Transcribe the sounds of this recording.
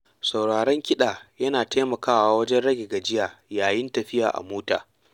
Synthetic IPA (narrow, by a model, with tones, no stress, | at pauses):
sa˨wɽaː˨ɽɛ˦ŋkʲɪ˦ɗaː˨jɐ˦naː˨teː˦mɐ˨kaː˦waː˦wɐ˦d͡ʒɛ˦nɽɐ˦ɡʲeː˨ɡa˨d͡ʒɪ˦jaː˨jaː˨jɪ˦ntɐ˨ɸɪ˦ja̰ː˨ʔa̰˨moː˦ta̰ː˨